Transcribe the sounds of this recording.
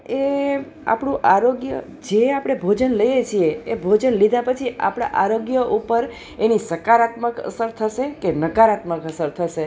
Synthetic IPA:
e | a̰pɽũʔaɾoɡjə̰ | d͡ʒeapɽ̃ebʱod͡ʒənləjet͡ʃʰieebʱod͡ʒənlid̪ʱãpət͡ʃʰiʔa̰pɽ̃a̰ʔaɾoɡjəʔupəɾ | enisəkaɾat̪məkə̰səɾt̪ʰəʃekenəkaɾat̪məkəsəɾt̪ʰəʃe

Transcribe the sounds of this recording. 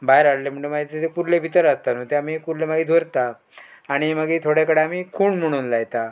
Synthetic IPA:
baeɾaɽlem̤əɳemaɡet̪et̪ekuɾlebʱit̪əɾast̪anot̪eamikuɾlemaɡiːd̪ʱʋoɾt̪aː | ɽ̃iməɡiːt̪ʰoɽjakəɽeamiːkʰuːɳm̤əɽ̃uːnlajt̪a

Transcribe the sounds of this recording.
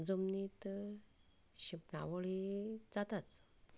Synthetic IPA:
d͡zomnit̪ | ɕipna̰ʋəɭid͡zat̪at͡s

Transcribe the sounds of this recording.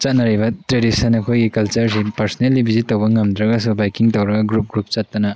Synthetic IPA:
t͡ʃat̚naɾiβɐtɾedisɐnɐkʰojɡikɐlt͡ʃɐɾsipɐɾsɐnelːibʱizitɐwbɐŋɐmdɾɐɡas̬ubajkiŋtɐwɾɐɡaɡɾup̚ɡɾup̚t͡ʃatːɐna

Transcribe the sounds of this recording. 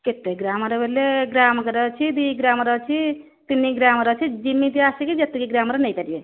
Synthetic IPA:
ket̪ːeɡɾamʌɾʌbelːeɡɾamkeɾʌt͡ʃʰid̪iɡɾamɾʌt͡ʃʰi | t̪inːiɡɾamɾʌt͡ʃʰid͡ʒimːit̪iasikid͡ʒʌt̪ːikiɡɾamɾʌnəjt̪əɾije

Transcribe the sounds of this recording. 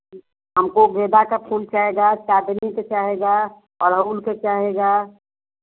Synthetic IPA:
ɦəmkobeːd̪akapʰuːlt͡ʃaɦeɡat͡ʃaːd̪niket͡ʃaːɦeɡa | ɔːɾɦəulket͡ʃaːɦeɡa

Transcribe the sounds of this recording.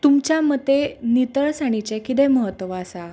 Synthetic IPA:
t̪umt͡ɕjamət̪ːenit̪əɭsaɽ̃it͡ɕekit̪eməɦət̪ːʋaːsa

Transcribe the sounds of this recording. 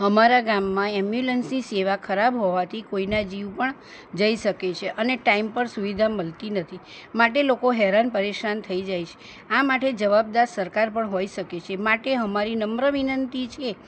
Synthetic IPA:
ɦəmaɾaɡamːãɛmjulənsniseʋakʰəɾabɦɔʋat̪ʰikoinad͡ʒiʋpəɳ | d͡ʒəiʃəket͡ʃʰeʔəneʈaimpəɾsuʋid̪ʱaməlt̪inət̪ʰi | maʈelokoɦɛɾanpəɾeʃant̪ʰəid͡ʒajt͡ʃʰe̥ | amaʈed͡ʒəʋab̚d̪aɾsəɾkaɾpəɳɦoiʃəket͡ʃʰemaʈeɦəmaɾinəmɾəʋinənt̪it͡ʃʰe

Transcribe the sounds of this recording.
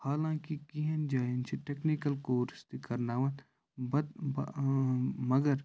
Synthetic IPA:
haːlãːkikiɦɐnd͡ʒaːint͡ʃʰiʈeknikəlkoːɾst̪ikɐɾnaːʋɐn | bɐb | mɐɡəɾ

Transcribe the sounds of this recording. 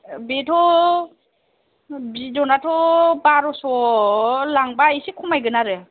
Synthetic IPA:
betʰɔ | bidɔnatʰɔbaɾɔsɔ | laŋbaisikʰɔmajɡɯnaɾɯ

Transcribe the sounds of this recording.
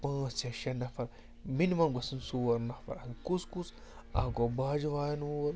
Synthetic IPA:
pɐ̃nɐsɐʃɐnɐfɐɾ | minimɐnɡɐsinsuwɐɾnɐfɐ̰ɾnkuskus | a̰ːɡobaːd͡ʒʋaːjɐnuɐɾ

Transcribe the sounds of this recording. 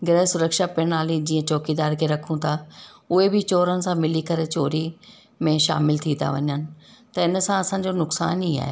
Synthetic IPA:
ɡɾɛɦsʊɾəkʃapɪɽ̃aːlĩd͡ʑĩːə̃t͡ɕɔːkid̪aːɾkʰeːɾɐkʰũt̪ʰaʊɦebɪt͡ɕoːɾənɪ̆sãmɪlikɐɾet͡ɕoːɾi | mẽʃa̰ːmɪlt̪ʰĩːa̰ʋɐ̰ɲənɪ̆t̪ɐɪnəsãɐsãːd͡ʑonʊksa̰ːniːa̰ːɦḛ

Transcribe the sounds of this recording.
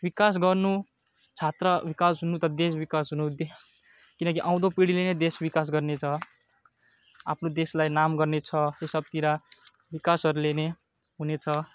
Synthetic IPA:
bikas̬ɡʌrnu | t͡sʰat̪rʌbikasɦunut̪ʌd̪es̬bikasɦunud̪e | kinʌkiʔãw̃d̪opiɽilened̪esbikas̬ɡʌrnet͡sʰʌ | a̰pʰnod̪eslajnamɡʌrnet͡sʰʌesʌb̚t̪iɾa | bikasʌɾulene | ɦunet͡sʰʌ

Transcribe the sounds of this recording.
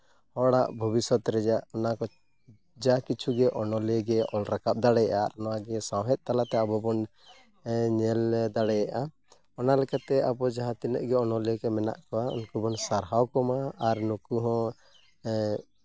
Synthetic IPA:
hɔɽaʔbʱubisɔt̪ɾɛd͡ʒaʔɔnakɔ | d͡ʒakit͡ʃʰuɡɛʔɔnɔlɡɛʔɔlɾakap̚d̪aɽɛjaʔa̰nɔwaɡɛsãwɦɛt̪̚t̪alat̪ɛabɔbɔn | ɲɛld̪aɽɛjaʔa | ɔnalɛkat̪ɛabɔd͡ʒaɦãt̪ina̰ʔɡɛɔnɔlɛkɛmɛna̰ʔkɔwaɔ̰nkɔbɔnsaɾɦawkɔmaːɾnukuɦɔ̃

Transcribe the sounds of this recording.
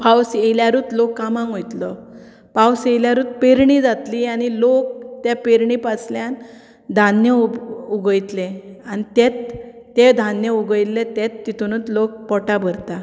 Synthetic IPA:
pawsejljaɾuːt̪lokːamãŋɡɦojt̪lə | pawsejljaɾuːt̪̚peɾɳid͡zat̪liañilok̚t̪epeɾɳipasljan | d̪ʱanjəuɡəjt̪leanit̪et̪ː | ed̪ʱanjəuɡəjlːet̪et̪ːit̪unut̪lok̚pɔʈabʱəɾt̪a

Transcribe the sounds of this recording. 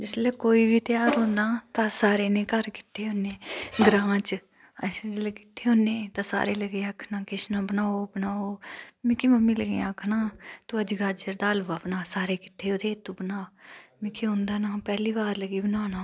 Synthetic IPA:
d͡ʒɪsleːkoːiːbiːt̪jaːɾɦõːnd̪aːt̪ãːsaːɾeːnẽːkəɾkɪ̥t̪ʰeːɦõːneːɡɾãːt͡ʃ | əsd͡ʒleːkɪ̥t̪ʰːeːɦõːneːt̪ãːsa̰ːɾeːləɡeːaːkʰnaːkɪsnãːbənaːoːbənaːoːmɪ̃kiməmːĩːləɡḛ̃aːkʰnaːt̪uːəd͡ʒɡaːd͡ʒəɾd̪aːlːapnaːsaːɾeːkɪ̥t̪ʰːeːoːd̪eːt̪uːbənaːmɪkʰiːõːnd̪aːnaːpɛːliːbaːɾləɡiːbənaːnaː

